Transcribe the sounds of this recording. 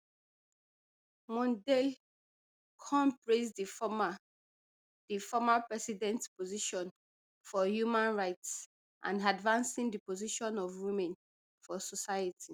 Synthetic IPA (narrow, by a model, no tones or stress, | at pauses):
mɔ̃ndɛl | kʰɔ̃mpɹesd | d̥ifɔmapɹɛsidɛ̃ntpoziʃɔ̃n | fɔhjumãnɹaɪts | ʔã̰ndadvãnsĩndipoziʃɔ̃nɔvwimɛ̃n | fɔsɔsajətʰi